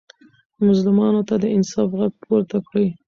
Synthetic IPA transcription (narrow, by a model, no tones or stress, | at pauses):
mʊzlɪmɑnot̪ad̪əɪnsɑfɣaɡ̚pʰoɾt̪akɽəj